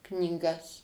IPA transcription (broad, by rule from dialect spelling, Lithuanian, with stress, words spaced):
knʲiːˈɡɐs